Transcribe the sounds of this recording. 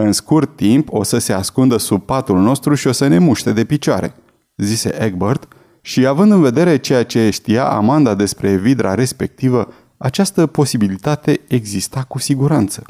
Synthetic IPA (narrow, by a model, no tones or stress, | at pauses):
ɨnskurt̪ːimpo̞səse̞askund̪əsub̚pat̪ulno̞st̪ɾuʃio̞səne̞muʃt̪e̞d̪e̞pit͡ʃaɾe̞̰ | zise̞̰ʔeɡbərt̪ | ʃiavɨnd̪ɨnve̞d̪e̞ɾe̞t͡ʃe̞jat͡ʃe̞ʃt̪ija̰ʔa̰mand̪ad̪e̞spɾe̞vid̪ɾa̰ɾe̞spe̞k̚t̪ivə | at͡ʃast̪əpo̞sibilit̪at̪e̞eɡzist̪akusiɡuɾant̪sə̥